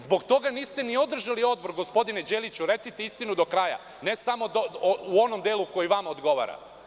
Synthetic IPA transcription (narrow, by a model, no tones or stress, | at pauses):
zbo̞ɡt̪o̞ɡaniːst̪enio̞d̪r̩ʒalio̞d̪̚bo̞ɾɡospo̞d̪ined͡ʑe̞lit͡ɕuɾe̞t̪sit̪eist̪inud̪o̞kɾaːja̰ | ne̞samo̞d̪ouo̞nomd̪eːlˠuko̞jiʋamaod̪ɡo̞ʋa̰ɾa̰